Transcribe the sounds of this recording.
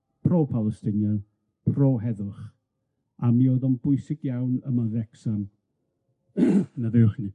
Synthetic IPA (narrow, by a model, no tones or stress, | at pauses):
pʰroːpʰalˠəstɪnjan | pʰroːɦɛðʊχ | amioðɔnbʊjsɪɡ̥jawnəmaðɛksan | naðɪwχni